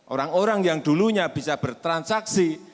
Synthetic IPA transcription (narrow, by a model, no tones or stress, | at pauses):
ʔoɾaŋoɾaŋjaŋd̪̥uluɲab̥i̤sab̥ərt̪ɾansaksi